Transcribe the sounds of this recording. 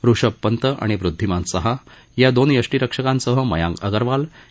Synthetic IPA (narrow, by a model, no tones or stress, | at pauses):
ɾuʂəpːənt̪əʔa̰ɽ̃iʋɾud̪ʱːimãnsəɦa | jad̪onjəʂʈiɾəkʂəkãnsəɦəmə̰jã̰ŋɡəɡəɾʋal